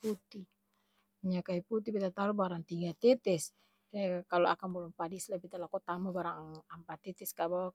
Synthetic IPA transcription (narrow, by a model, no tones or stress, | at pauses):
put̪i | ɲakaiput̪ibit̪at̪alubaɾaŋt̪iŋɡat̪ɛt̪ɛs | kaloa̰kanbɔlumpadislabit̪alakut̪amabaɾaŋampat̪ɛt̪ɛskabawa